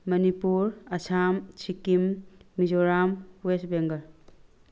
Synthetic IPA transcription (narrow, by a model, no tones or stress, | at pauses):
mɐnipuɾɐsʰamt͡ʃʰikimːid͡ʒoɾamwesbeŋɡɐɾ